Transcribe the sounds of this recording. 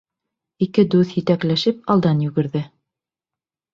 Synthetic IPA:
ikɘd̪ʉθjɘ̆t̪æklæʃɘpɑlˠd̪ɑnjʉɡɘ̆ɾðɘ

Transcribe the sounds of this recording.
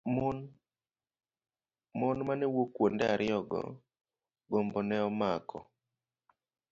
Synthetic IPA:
mɔnmanɛwokwondɛaɾɪɔɡɔ̰ | ɡombɔnɛɔmakʰɔ̰

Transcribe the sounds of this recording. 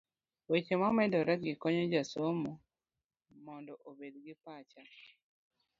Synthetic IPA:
wet͡ʃemamɛdɔɾaɡɪkɔɲɔd͡ʒasomu | mɔndɔʔobedɡɪpat͡ʃa

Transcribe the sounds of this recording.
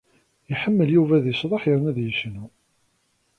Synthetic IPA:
jiħəmːəljuvæðisðˤɑħjəɾnæðjəʃnu

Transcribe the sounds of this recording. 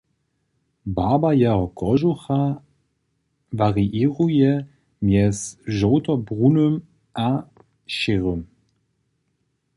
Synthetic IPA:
baːbajɛɦɔkɔʒuxa | vaʁiʔiːʁujɛ | mjɛsʒoːtɔbʁunøm | ʔa | ʃɪʁøm

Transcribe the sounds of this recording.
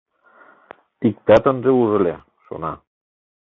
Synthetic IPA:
ik̚t̪æt̪ə̆nʒeuʐɤ̆le | ʃo̰nɑ

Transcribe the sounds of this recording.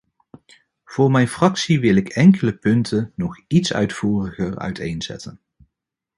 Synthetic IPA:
v̥ʊːɹmɛjnfrɑksiʋɪlɪkɛŋkələpɵntʰənɔχitsœ̰ɥtfuːrəχəɹœ̰ɥtʰḛjnz̥ɛ̰tən

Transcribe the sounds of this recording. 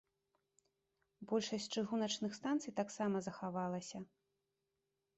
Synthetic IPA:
bɔlʲʂɐsʲt͡sʲt͡ʂɨɣunɐt͡ʂnɨxst̪ant̪sɨjt̪aksamɐzɐxavalˠɐsʲɐ

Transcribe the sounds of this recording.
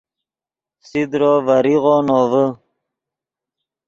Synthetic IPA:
sid̪ɾoːvaɾiʁonovə

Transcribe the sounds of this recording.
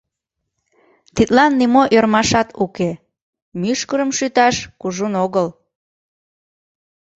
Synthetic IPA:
t̪it̪lɑnːimoʔørmɑʃɑt̪uke | myʃkəɾəmʃyt̪ɑʃkuʒunoɣəl

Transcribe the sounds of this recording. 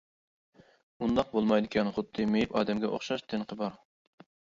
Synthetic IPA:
und̪ɑq̚bolˠmɑjd̪ɪkʲʰɛnχʊd̪ːɨmejipɑ̰ːd̪ɛmɡʲɛʔo̰χʃɑʃt̪ʰɪnqʰəbɑɾ

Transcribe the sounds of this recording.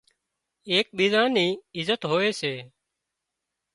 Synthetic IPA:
eːk̚ɓiːzãːniːɪzət̪ɦoːeːseː

